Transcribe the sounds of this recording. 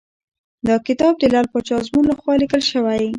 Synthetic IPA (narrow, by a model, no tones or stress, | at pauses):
d̪əkɪt̪ɑb̚d̪əlalpət͡ʃɑzmunlaxwɑlikəlʃəwaj